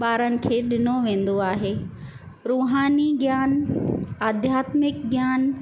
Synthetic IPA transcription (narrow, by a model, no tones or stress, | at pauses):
ɓaːɾənɪ̆kʰeːɗɪnoʋẽːn̆d̪oaːɦeː | ɾuːɦaːniɡjaːnaːd̪ʱjaːt̪mɪk̚ɡjaːn